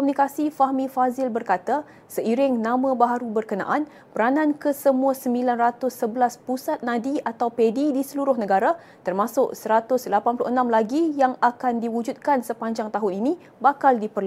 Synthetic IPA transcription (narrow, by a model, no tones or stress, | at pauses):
kɔmunikasifahmĩfazɪlbərkat̪a | səiɾɪŋnãmãbaɦaɾubərkənã̰ʔan | pəɾanãnkəsəmũasəmbilanrat̪ʊsːəbəlaspusat̪̚nãdiat̪awpedidisəluɾʊhnə̃ɡaɾa | t̪ərmãsʊʔsəɾat̪ʊslapanplʊʔənãmlaɡijaŋakandiwud͡ʒut̪̚kansəpaɲd͡ʒaŋt̪aɦʊninĩ | bakaldipərlu